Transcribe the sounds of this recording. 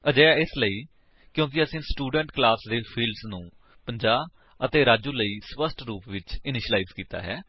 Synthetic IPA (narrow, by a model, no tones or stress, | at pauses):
əd͡ʒəːaːɪsləiː | kjõːk̬ɪəsĩːsʈuːɖəɳʈklaːsd̪eːpʰiːlɖsnũː | pəɲd͡ʒaː | ət̪eːɾaːd͡ʒuːləiːspəsʈɾuːpʋɪt͡ʃɪnɪʃəlaːiːzkiːt̪a̰ːɦɛː